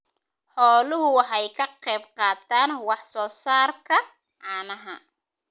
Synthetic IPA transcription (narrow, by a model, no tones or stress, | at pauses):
ħɔːlʊɦʊwɑħɑjkʰɐqɛjbqɑːt̪ʰaːnwɑħsɔːsaːrkʰɐ | ʕɑːnɐɦɐ